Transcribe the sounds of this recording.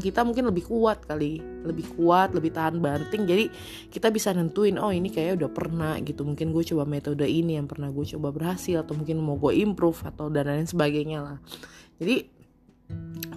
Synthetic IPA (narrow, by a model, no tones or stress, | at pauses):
ŋkit̪amuŋkɪnləbɪhkuat̪̚kali | ləbɪhkuat̪̚ləbɪht̪aɦanbant̪ɪŋd͡ʒadi | kit̪abisanənt̪uɪnɔinikajaudahpərnahɡit̪umuŋkɪnɡuat͡ʃobamet̪odainijaŋpərnahɡuat͡ʃobabərɦasɪlat̪amuŋkɪnmoɡoʔimpɾʊfat̪awdanajansəbaɡajɲalahd͡ʒadi